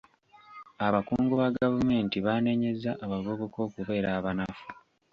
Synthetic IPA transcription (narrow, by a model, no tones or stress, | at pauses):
aβakuːŋɡuβaɡavume̞ːntiβane̞ɲe̞zaʔːβaɡoβoko̞ːkuβe̞ːɾaːβanafu̥